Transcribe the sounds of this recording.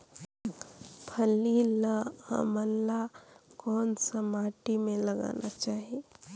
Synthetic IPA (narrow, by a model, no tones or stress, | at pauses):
pʰəlːilaa̰məlːakɔːnsəmaːʈimẽləɡa̰ːnʔat͡ʃaːɦie